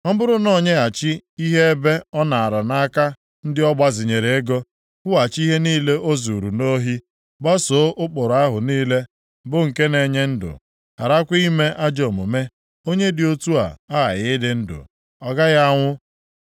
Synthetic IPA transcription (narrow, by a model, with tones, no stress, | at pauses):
ŋɔ˦bʊ˦ɾʊ˦nɔ˦˨ɲe˦a˨t͡ʃɪ˦i˦ɦe˦e˦be˦ɔ˦na˨a˨ɾa˨na˦ka˦ | n̩˦dɪ˦ɔ˦ɡ͡ba˦zɪ˨ɲe˨ɾe˨e˦ɡɔ˦ | kʷʊ˦a˨t͡ʃi˦ɦe˦niː˦le˦ʔo˦zu˨ɾu˨no˦ɦi˦ | ɡ͡ba˦so˨˦ʔʊ˦k͡po˨ɾa˦ɦʊ˨niː˦le˦ | bʊ˦ŋ̩˨ke˦ne˨ɲe˦n̩˦dʊ̰˨ | ha̰˨ɾa˦kʷi˦me˦ʔa˦d͡ʒo˨mʊ̰˨me˦ | o˦ɲe˦dɪ˨o˦tu˦a̰˨a˦ɣa̰˨ɣɪ˦dɪ˨n̩˦dʊ̰˨ | ɔ˨ɡa˦ɣa˦ŋʷʊ˦